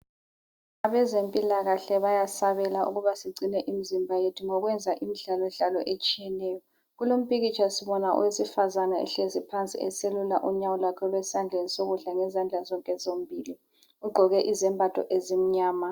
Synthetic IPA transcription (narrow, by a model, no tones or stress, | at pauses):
aβɛzempʼilaɣaɬɛβajasaβɛlaʔṵɣuβasiɡ͡ǀʱinɛʔimizimbʱajetʰuŋɔɣwɛnd͡zʱaʔimiɮalɔɮalɔʔet͡ʃʼijɛnɛːjɔ | ɣulom̩pʼiɣit͡ʃʰʼasiβɔnaʔṵwesifazanaɛ̰ɬezipʰant͡sʼḭɛ̰selula̰ʔuɲawɔlakʰɔβɛsand͡ɮʱenisoɣuɮaŋɛzand͡ɮʱazɔŋkʼɛzom̩bʱiːli | uɡ͡ǃʱɔɣɛʔizɛmbʱatʰʼɔ̰ʔezim̩ɲaːma